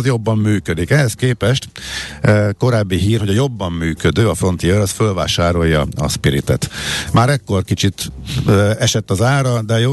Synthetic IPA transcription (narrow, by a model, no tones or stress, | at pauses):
zjo̞bːɒmːyːkød̪ikɛɦɛskeːpɛʃt̪ | ko̞ɾaːbːiɦiːrɦoɟɒjo̞bːɒmːyːkød̪øːɒfro̞nt̪iøɾɒsfølva̰ːʃaːɾo̞jɒ̰ɒ̰spiɾḭt̪ɛ̰t̪maːɾɛkːo̞rkit͡ʃit̪ː | ɛʃɛt̪ːɒzaːɾɒd̪ɛjoː